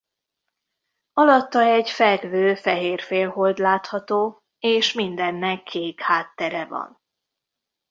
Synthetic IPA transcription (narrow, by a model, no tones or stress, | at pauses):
ɒlɒt̪ːɒɛɟfɛɡvøːfɛɦeːrfeːlɦo̞ld̪laːt̪hɒt̪oː | eːʃmind̪ɛnːɛkʰːeːkhaːt̪ːɛɾɛvɒ̰n